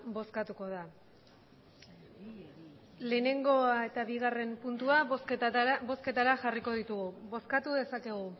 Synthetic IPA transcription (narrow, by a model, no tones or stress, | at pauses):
bo̞skat̪uko̞ð̞a | le̞ːne̞ŋɡo̞ae̞t̪aβiɣ̞are̞mpunt̪uasbo̞ske̞t̪aɾaʝariko̞ð̞it̪uɣuβo̞skat̪uðe̞sakeɣ̞u